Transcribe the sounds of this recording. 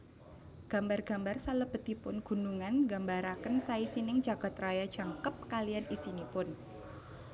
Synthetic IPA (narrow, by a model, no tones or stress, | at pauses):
ɡ̥ambarɡ̥a̤mbarsaləb̥ə̤t̪ipʊnɡ̥ṳnuŋanɡambaɾakənsaisinɪŋd͡ʒaɡ̥a̤t̪rajḁd͡ʒ̥aŋkəp̚kalianisinipʊn